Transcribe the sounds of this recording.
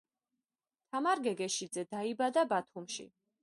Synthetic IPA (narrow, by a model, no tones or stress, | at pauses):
t̪ʰamaɾɡɛɡɛʃid̪zɛd̪aibad̪abat̪ʰumʃḭ